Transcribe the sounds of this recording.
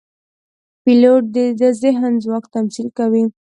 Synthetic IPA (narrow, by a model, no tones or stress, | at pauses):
piloʈ̚d̪ed̪əzɪɦnzwɑkt̪amsilkawi